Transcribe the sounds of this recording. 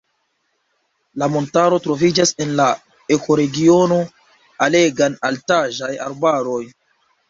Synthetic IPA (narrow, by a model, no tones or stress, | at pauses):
lamo̞ntaɾo̞tɾo̞vid͡ʒase̞nla | e̞kʰo̞ɾe̞ɡio̞no̞ | ale̞ɡanaltaʒaja̰ɾbaɾo̞j